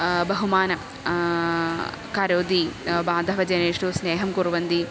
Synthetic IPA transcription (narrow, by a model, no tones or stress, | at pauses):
bɐɦumaːnɐ | kɐɾoːd̪iːbaːd̪ʱɐʋɐd͡ʒɐneːʂʈusneːɦɐmkuɾʋɐnd̪i